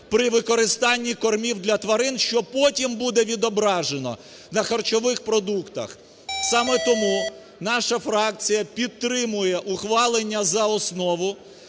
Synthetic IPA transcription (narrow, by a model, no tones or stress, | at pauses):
pɾɪʋɪkɔɾɪst̪ɑnʲːikɔrmʲiwd̪lʲɐt̪ʋɐɾɪnʃt͡ʃɔpɔtʲimbud̪ɛʋʲid̪ɔbɾɑʒenɔ̰ | nɐxɐrt͡ʃɔʋɪxpɾɔd̪ukt̪ɐ̰x | sɑmɛt̪ɔmu | nɑʃɐfɾɑk̚t͡sʲijɐpʲid̪̚t̪ɾɪmʊjɛʔʊxʋɑlˠenʲːɐzɐɔsnɔʋʊ